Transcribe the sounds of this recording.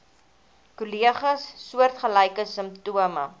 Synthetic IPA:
kuliəχəsːuərtχəlɐjkəsəmptuəmə̰

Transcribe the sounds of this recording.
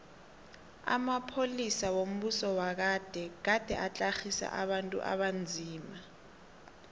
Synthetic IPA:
a̰mapʰolisawom̩ɓusɔwak̬ad̥ʱɛk̬ad̥ʱɛʔat͡ɬʼaxisa̰ʔaɓantʼṵʔa̰ɓand͡zʱiːma

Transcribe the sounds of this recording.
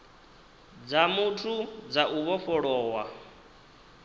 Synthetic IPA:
d͡zamutʰud͡zaʔuβɔfɔɺɔːwa

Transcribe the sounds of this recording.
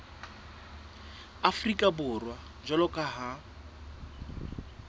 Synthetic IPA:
afrikʼabʊrwa | d͡ʒɔlɔkʼaɦa

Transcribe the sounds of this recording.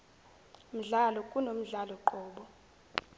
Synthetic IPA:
m̩ɮalɔkʼunom̩ɮalɔǃɔːɓɔ

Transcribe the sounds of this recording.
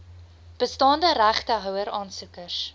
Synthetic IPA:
b̥əstɑːndəɾæχtəɦœwəɾɑːnsukərs

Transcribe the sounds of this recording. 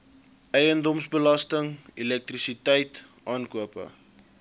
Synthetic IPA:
ʔɛjəndɔmsbəlɐstəŋilɛk̚trisitɛjt | ʔɑːnkuəpə̰

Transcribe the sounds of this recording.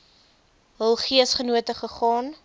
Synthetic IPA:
ɦəlˠχiəsχənuətəχəχɑːn

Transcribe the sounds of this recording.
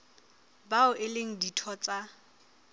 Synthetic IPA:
baʊʔɪleŋ̩ditʰɔt͡sʼa

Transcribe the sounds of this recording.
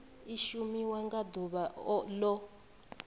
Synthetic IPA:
iʃumiwaŋɡad̪uɓalɔ

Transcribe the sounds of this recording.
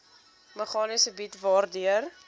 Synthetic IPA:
məχɑːnisəbitvɑːrdyər

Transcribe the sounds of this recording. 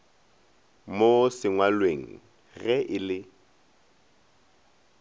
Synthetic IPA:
mosɪŋwalweŋ̩ | ɣɛʔɪlɪ

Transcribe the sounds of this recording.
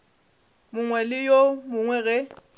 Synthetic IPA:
mʊŋwɛlɪjomʊŋwɛɣɛ

